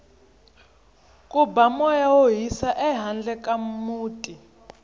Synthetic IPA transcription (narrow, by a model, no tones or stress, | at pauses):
kʼubamɔjawoɦisaʔɛɦand͡ɮɛkʼamuːtʼi